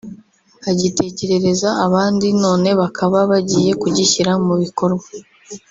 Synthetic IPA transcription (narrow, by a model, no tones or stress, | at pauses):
aɟite̞ce̞ɾe̞ɾe̞zaːβaːndino̞ːne̞βakʰaβaβaɟiːje̞kuɟiçiɾamuβiko̞ɾɡwa